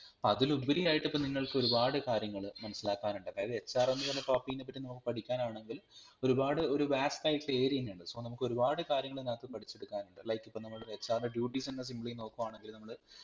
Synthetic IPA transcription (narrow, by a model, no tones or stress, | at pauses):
ɐðilubiɾijaːjiʈːipːoːniŋːɐɭkɨoɾubaːɽɨkaːɾjɐŋːɐɭmɐnɐsːilaːkːaːnuɳɖɨɐðaːjɐðɨet͡ɕːaːrenːuʋɐlːɐʈaːpːiːnːep̬ːɐtːinɐmukːɨ̥pɐʈʰikʲːaːnaːɳe̞ŋɡil | o̞ɾubaːɽɨo̞ɾubaːstaːjiʈːle̞ːɾiinuɳɖɨsoːnɐmukːo̞ɾubaːɽɨkaːɾjɐŋːɐɭenaːkːɨpɐʈʰit͡ɕːe̞ɽukːaːnuɳɖɨlɐjkːipːonɐmːɐɭet͡ɕːaːrɐnd̪ɐɖjuːʈːisinːɐs̬imbɐɭijno̞ːkːuʋaːɳe̞ŋɡilmnɐmːɐɭɨ